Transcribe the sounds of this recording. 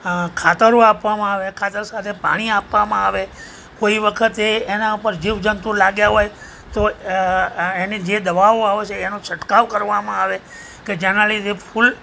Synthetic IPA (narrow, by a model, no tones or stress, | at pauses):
kʰat̪əɾoapʋamãaʋekʰat̪əɾsat̪ʰepa̰ɽ̃iapʋamãaʋe | koiʋəkʰət̪eːnaupəɾd͡ʒiʋd͡ʒənt̪ulaɡjaɦoj | t̪o | enid͡ʒed̪əʋaoaʋet͡ʃʰeːnõsəʈkaʋkəɾʋamãaʋe | ked͡ʒanalid͡ʒepʰul